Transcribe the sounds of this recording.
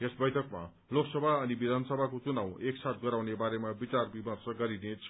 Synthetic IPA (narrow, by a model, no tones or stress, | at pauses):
esbʌjt̪ʰʌkma̰ | loksʌbʱaʌnibid̪ʱansʌbʱakot͡sunaw̃eksat̪̚ʰɡʌɾawnebaɾemabit͡sarbimʌrsʌɡʌɾinet͡sʰ